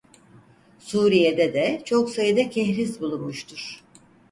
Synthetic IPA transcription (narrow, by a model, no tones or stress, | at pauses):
suːɾijed̪ɛd̪ɛt͡ʃʰo̞ksajɯd̪ɛcʰɛçɾisbulˠunmuʃt̪ʰuɾ̥